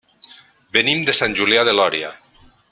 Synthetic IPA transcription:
benimd̪esanʲʒuljaðelɔɾja̰

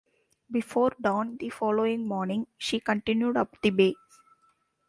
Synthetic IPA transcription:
bɪfoːɾɖɔ̃ːnd̪ifɔːloːɪ̃ŋmɔːɾnɪ̃ŋʃiːkə̃ɳʈɪ̃njuɖʌpd̪ibeː

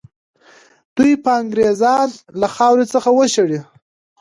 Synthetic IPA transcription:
d̪̥ujpəaŋɡɾezɑnlaxɑwɾet͡səxawəʃaɽi

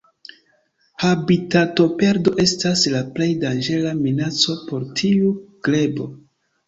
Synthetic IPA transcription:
habitato̞pe̞ɾdo̞ʔe̞staslaple̞jdand͡ʒe̞laminat͡so̞po̞ɾtʰiuɡ̥le̞bo̞

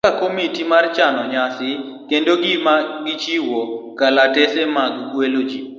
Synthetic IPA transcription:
akomitimart͡ʃanɔɲasɪ | kendoɡɪmaɡɪt͡ʃiwokalatɛsemaɡɡwelod͡ʒi

